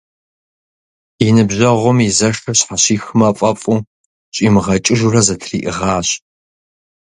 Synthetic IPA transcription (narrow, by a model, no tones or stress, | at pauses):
inɨbʑɐʁʷʊmizɐʂɨɕħaɕiːxɨmɐfʼɐpʼu | ɕʼimɨʁɐt͡ʃʼɪʒurɐzɐtʰrḭːʔɨʁaːɕ